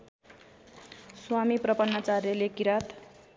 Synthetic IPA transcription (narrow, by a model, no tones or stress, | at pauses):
swamiprʌpʌnːat͡sarjʌlekiɾat̪